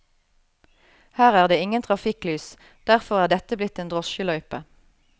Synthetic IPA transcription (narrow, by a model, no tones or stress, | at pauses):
hæːʁæːʁd̪eːɪŋənt̪ʰʁɑfɪklyːs | d̪̥æʁfɔʁæːʁd̪ɛt̪əblɪt̪eːnd̪ʁɔʃəlœʏpə